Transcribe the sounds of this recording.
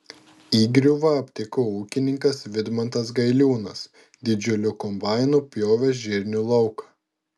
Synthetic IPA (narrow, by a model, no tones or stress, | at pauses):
iːɡɾʲuʋɐɐpʲt̪ʲɪkoːuːkʲɪnʲɪŋkɐsʋʲɪd̪mɐnt̪ɐs̬ɡɐɪlʲuːnɐs | d̪ʲɪd͡ʒʲʊlʲʊkɔmbɑɪnuːpʲjoːʋʲɛsʒʲɪɾʲnʲuːlˠɒʊkɐ̥